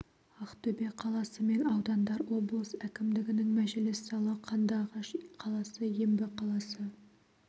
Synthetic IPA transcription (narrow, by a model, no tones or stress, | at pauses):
ɑqt̪ʰɵbe̞qʰɑlˠɑsəme̞nɑwd̪ɑnd̪ɑɾwo̞blˠəsækʲɪmd̪ɪɡʲɪnɪŋmæʒɪlɪsːɑlˠəqʰɑnd̪ɑʁɑʃqʰɑlˠɑsəjembɪqʰɑlˠɑsə